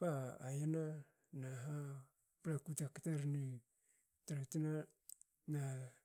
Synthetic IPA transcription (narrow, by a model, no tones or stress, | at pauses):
paa̰jana | naɦa | pɾakutaktaɾni | taɾatena | na